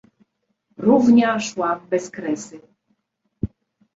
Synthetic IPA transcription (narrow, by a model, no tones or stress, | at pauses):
ɾuvɲaʂwabɛskɾɛsɘ